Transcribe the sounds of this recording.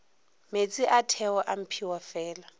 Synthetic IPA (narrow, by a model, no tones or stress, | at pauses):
met͡sʼiʔatʰɛɔʔam̩pʰiwafɛːla